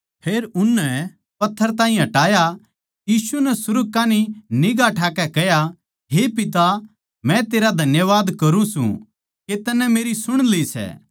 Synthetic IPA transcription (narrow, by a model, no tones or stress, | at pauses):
pʰeːɾʊnːɛ | pɐt̪ʰːəɾt̪aːɦĩɦɐʈaːja | jiːsunɛsʊɾɡ̚kaːninɪɡaʈʰaːkɛkɛja | ɦepɪt̪̬a | mɛ̃t̪eːɾad̪ʱɐnjəʋaːd̪kɐɾũsṵ̃ | ket̪ɐnːɛ̃meːɾisʊɽ̃lisɛ̰ː